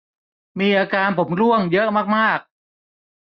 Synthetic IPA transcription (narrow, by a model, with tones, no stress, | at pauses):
miː˧ʔaː˧kaː˧npʰo˩˦mɾu˥˩əŋjɤ˦˥ʔmaː˥˩k̚maː˥˩k̚